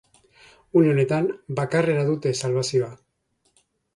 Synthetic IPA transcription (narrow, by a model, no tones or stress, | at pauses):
uneo̞ne̞t̪ambakare̞ɾaðut̪e̞salβasioa